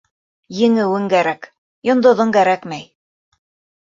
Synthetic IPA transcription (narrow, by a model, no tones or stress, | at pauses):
jɘ̆ŋɘ̆wɘŋkæɾæk | jŏnd̪ŏðɤŋkæɾækmæj